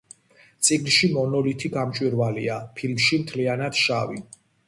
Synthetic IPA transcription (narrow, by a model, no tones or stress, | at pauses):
t̪sʼiɡnʃimɔnɔlit̪ʰiɡamt͡ʃʼwiɾvaliapʰilmʃimt̪ʰlianad̪̥ʃavḭ